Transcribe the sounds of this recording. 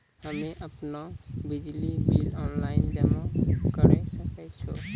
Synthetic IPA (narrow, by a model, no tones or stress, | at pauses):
həmeʔəpnabid͡ʒlibilɔnlaɪind͡ʒəmakəɾɛsəkɛt͡ʃʰo̰